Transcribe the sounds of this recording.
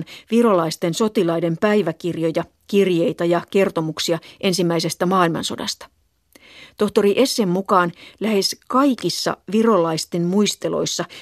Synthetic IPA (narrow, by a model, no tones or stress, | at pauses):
nʋirolɑist̪enso̞t̪ilɑide̞mpæjʋækirjo̞jɑ | kirje̞jt̪ɑjɑke̞rt̪o̞muksiɑʔe̞nsimːæise̞st̪æmɑːilmɑ̰nso̞̰dɑ̰st̪ɑ̥ | t̪o̞ht̪o̞riʔe̞sːemːukɑːnlæhe̞skɑjkisːɑ̰ʋiro̞lɑist̪emmuist̪elo̞̰jsːɑ